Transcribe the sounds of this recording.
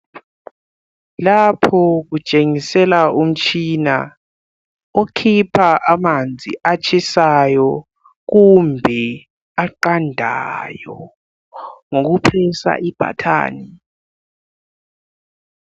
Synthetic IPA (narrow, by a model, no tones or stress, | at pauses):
lapʰɔɣut͡ʃʼeŋisɛlaum̩t͡ʃʼʰina | okʰipʰaʔamand͡zʱḭʔat͡ʃʰisajɔ | kumbʱɛ | aǃandʱa̰jɔ | ŋok̬upʰɛsa̰ʔib̥ʱa̰tʰa̰ːni